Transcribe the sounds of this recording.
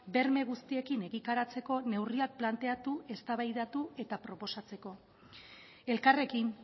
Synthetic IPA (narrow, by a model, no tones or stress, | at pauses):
be̞ɾme̞ɣ̞ust̪ie̞kine̞ɣit̪aɾat͡se̞ko̞ne̞wriak̚plant̪e̞at̪uʔe̞st̪aβajðat̪ue̞t̪apɾo̞po̞sat͡se̞ko̞ | e̞lkare̞kin